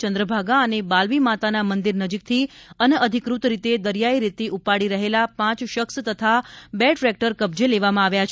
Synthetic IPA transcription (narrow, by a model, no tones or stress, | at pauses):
t͡ʃənd̪ɾəbʱaɡaənebalʋimat̪anamənd̪iɾnəd͡ʒik̚t̪ʰiənəd̪ʱikɾut̪ɾit̪ed̪əɾjaiɾit̪iʔupaɽiɾəɦelapãt͡ʃʃəkst̪ət̪ʰabɛʈɾɛk̚ʈəɾkəb̚d͡ʒeleʋamãaʋjat͡ʃʰ